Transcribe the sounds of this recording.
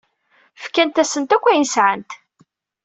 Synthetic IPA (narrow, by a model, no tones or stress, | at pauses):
fkænt̪æsənt̪ækʷːæjnsʕənt̪